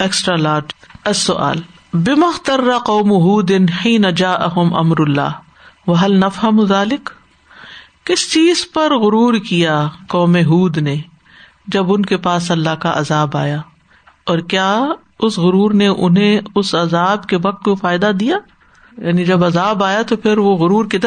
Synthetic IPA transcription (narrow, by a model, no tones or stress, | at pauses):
eːksʈɾalaːʈɐsːʊʔa̰ːl | bɪmɐxt̪ɐrːaqoːmʊɦuːd̪ɪnħiːnɐd͡ʒaːʔɐɦʊmʔɐ̰mɾʊlːa̰ː | wɐɦɐlnɐfɦɐmðaːlɪk | ɪst͡ʃiːzpɐɾɣʊɾuːɾkijaːqɔːmeɦuːd̪ne | d͡ʒɐbʊnkepaːsɐlːaɦkaʔɐ̰zaːba̰ːjaː | ɔːɾkjaː | ʊsɣʊɾuːɾneʔʊnɦẽʊsɐzaːbkeʋɐq̚t̪kofaːɪd̪ad̪ijaː | jaːnid͡ʒɐbɐzaːbaːjat̪opʰɪɾʋoɣʊɾuːɾkid̪